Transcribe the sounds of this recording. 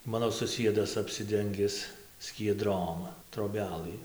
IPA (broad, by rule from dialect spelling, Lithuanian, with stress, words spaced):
ˈmɑːnoː sʊˈsʲiɛdɐs ɐpʲsʲɪˈdʲɛŋʲɡʲɪs sʲkʲiɛˈdroːm troːˈbʲæːlˠɨ